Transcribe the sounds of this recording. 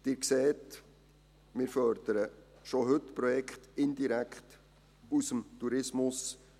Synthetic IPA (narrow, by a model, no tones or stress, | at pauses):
d̪̥ɪːɾkseːt | mɪːɾfœɾd̪̥əɾə | ʃoɦɵtpɾɔjɛkχtɪnd̪iɾækχt | usəmt̪uɾɪsmʊs